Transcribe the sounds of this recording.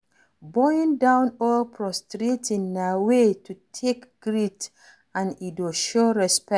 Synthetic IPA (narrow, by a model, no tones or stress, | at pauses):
bɔĩndãʊ̃nɔlpʰɹɔstɹetĩnːawetʰutʰekɡ̥ɹit | ãnidɔʃoɹɛspɛ